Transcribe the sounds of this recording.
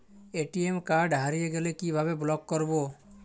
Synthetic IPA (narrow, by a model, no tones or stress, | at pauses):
eʈiemkaɾɖɦaɾijeɡelekibʱabeblɔɡːɔɾbo